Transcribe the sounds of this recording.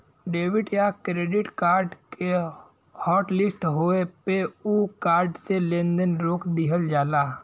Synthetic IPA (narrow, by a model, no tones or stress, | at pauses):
ɖeːʋɪʈjakɾeːɖɪʈkaːɾɖke | hɔːʈlɪsʈɦoepeukaːɾɖselẽːnd̪ənɾoːkd̪ɪɦəld͡ʒaːlaː